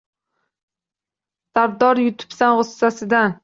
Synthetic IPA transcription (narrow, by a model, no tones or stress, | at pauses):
d̪aɾd̪ɒɾjʊt̪ʰʊ̥psanʁosːasɪd̪an